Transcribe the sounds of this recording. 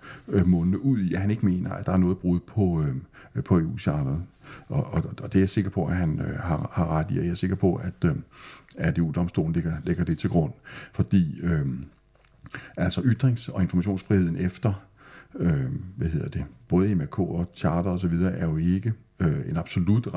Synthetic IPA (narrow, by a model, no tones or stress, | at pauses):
mɔ̽nnəʔuð̰ˠiæɦæne̝ɡ̥əme̝̰ːnɐæd̥ɑ̈æɐnɔ̽ːð̩ˠb̥ʁuːð̩ˠpʰɒ̽øpʰɒ̽e̝ːṵːɕʰɑ̈ːd̥ɐð̩ˠʔɒʔɒ̽d̥e̝æse̝ɡ̥ɐpʰɒ̽ʔæɦænøɦɑ̈hɑ̈ʁad̥ḭjæse̝ɡ̥ɐpʰɒ̽ʔæd̥ | æd̥e̝ṵːd̥ɒ̽msd̥o̝̰ːln̩leɡ̥ɐleɡ̥ɐd̥e̝t͡sʰe̝lɡ̥ʁɔ̽n̰fɒ̽d̥ḭːø | ʔæl̰sɒ̽ʔyd̥ʁeŋsɒ̽e̝nfɒmæɕ̬o̝̰ːnsfʁihe̝ð̰ˠn̩efd̥ɐ | øʋæhe̝ð̞̰ˠɐd̥e̝b̥ɔ̽ːð̞ˠemæɐkʰo̰ːɒ̽t͡sʰɑ̈ːdɐɒ̽s̬ɒ̽ʋið̞ˠɐːʔæɐjo̝e̝ɡ̥ə | øe̝nɑ̈b̥so̝lud̥ʁ